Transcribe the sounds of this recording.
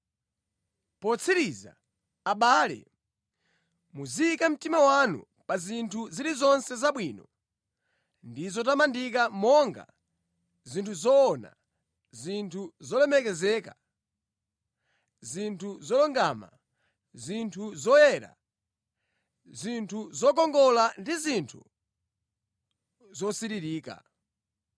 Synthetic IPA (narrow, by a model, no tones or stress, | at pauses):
pɔt͡sʰiɾiza̰ː | ɓaːlɛ̰ | muziikam̩timawanṵ | pazintʰuziɾizɔnsɛzaɓwiːnɔ | ndizɔtamandikamɔŋɡa̰ | zintʰuzɔːna̰ | zintʰuzɔlɛmɛkɛzɛːka | zintʰuzɔlɔŋɡama̰ | zintʰuzɔjɛɾa̰ | zintʰuzɔk̬ɔŋɡɔlandizintʰu | zɔsiɾiɾiːka̰